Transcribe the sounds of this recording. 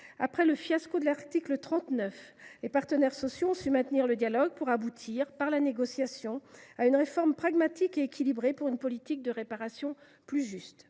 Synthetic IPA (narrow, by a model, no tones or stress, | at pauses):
a̰pχɛləfjaskod̪əlaʁt̪iklət̪χɑ̃t̪nœf | lepaʁt̪ənɛʁsɔsjoɔ̃symɛ̃t̪niʁləd̪jalɔɡ̚puʁabut̪ʰiʁpaʁlaneɡɔsjasjɔ̃aynʁefɔʁmpχaɡmat̪ikeekʲilibʁepuʁynpɔlit̪ik̚d̪əʁepaʁasjɔ̃ | plyʒyst̪